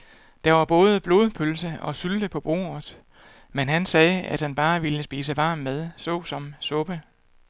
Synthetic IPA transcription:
d̥ɑ̈ʋɑ̈b̥ɔ̽ːð̞ˠəb̥lo̝ːðˠpʰølsəɒ̽syld̥əpʰɒ̽b̥ʁo̝̰ːɐð̩ˠ | menɦænsɛːæd̥hænb̥ɑ̈ːʋiləsb̥ḭːsəʋɑ̈ːmmeð̞ˠsɔ̰ːsɒ̽msɔ̽b̥ə

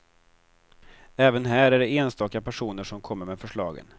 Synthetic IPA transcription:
ɛːvənɦæːɾæɖɛeːnst̪ɑːkapʰæʂuːnəʂɔmkʰɔmːəɾmɛfœʂɭɑ̰ːɡə̰n

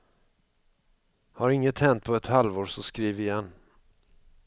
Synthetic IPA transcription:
haɾɪŋːət̪hɛnt̪̚pʰɔɛt̪halvoːsɔskɾiːvəjɛnː

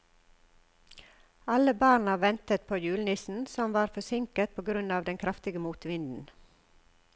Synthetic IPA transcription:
ɑləbɑːnɑʋɛnt̪ət̪̚pʰoːjʉːlnɪsn̩sɔmʋɑːɾfɔsɪŋkət̪̚pʰoːɡɾʉnɑːʋd̪ɛŋkʰɾɑft̪ɪɡəmuːt̪ʋɪnd̪n̩

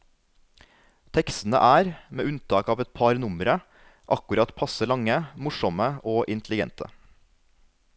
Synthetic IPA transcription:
t̪ʰɛkst̪n̩ə̰ʔæːɾmḛːʔʉnt̪ʰɑːkɑːʋɛt̪̚pʰɑɾnʊmɾə | ʔɑkʉɾɑt̪pʰɑsəlɑŋəmʊʂɔməʔoːʔɪnt̪ʰlɪɡɛ̰nt̪ʰə̰

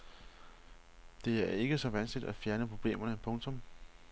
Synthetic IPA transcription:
d̥e̝æɐe̝ɡ̥əsɒ̽ʋænsɡ̥lid̥æfjæɐnəpʰʁo̝b̥le̝̰ːmɐnəpʰɔ̽ŋt͡sʰɔ̽m

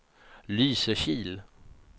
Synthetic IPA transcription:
lyːsəɕiːl

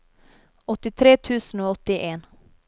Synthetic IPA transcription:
ɔt̪ːɪt̪ʰɾeːt̪ʰʉ̟ːsənoɔt̪ːɪʔeːn

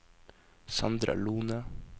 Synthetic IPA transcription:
sɑnd̪ɾɑ̰luːnə

